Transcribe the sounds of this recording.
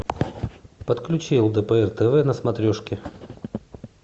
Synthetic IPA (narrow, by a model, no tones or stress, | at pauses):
pət̪klʲʉt͡ɕilˠd̪əpəɛrt̪ɛvɛnəsmɐt̪ɾʲoʂkʲɪ